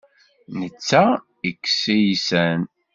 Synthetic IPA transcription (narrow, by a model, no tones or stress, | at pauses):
nət͡sːæ | ikːsijisæn